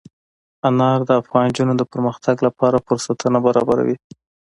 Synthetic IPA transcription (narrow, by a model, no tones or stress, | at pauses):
anɑɾd̪əafɣɑnd͡ʒunod̪əpəɾməxt̪ʰaɡlapɑɾafʊɾsat̪ʰənabaɾɑ̰baɾa̰wi